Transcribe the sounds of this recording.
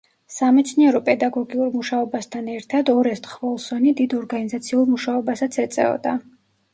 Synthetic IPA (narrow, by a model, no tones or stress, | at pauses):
samɛt̪sʰniɛɾɔpʼɛd̪aɡɔɡiuɾmuʃaɔbast̪ʰanɛɾt̪ʰad̪ɔɾɛst̪χvɔlˠsɔnid̪id̪ɔɾɡanizat̪sʰiuɾmuʃaɔbasat̪sʰɛt̪sʼɛ̰ɔ̰d̪a